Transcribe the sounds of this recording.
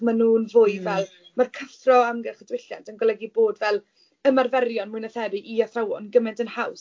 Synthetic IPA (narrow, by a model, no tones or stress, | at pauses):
manuːnvʊːɨvɛlˠ | markʰəfrɔamɡɛχədwɪɬja̰ntʰənɡɔlˠɛɡiboːdvɛlˠ | əmarvɛrjɔnmʊɨnəθɛbɨʔiaθrawɔnɡəmɛntənhaws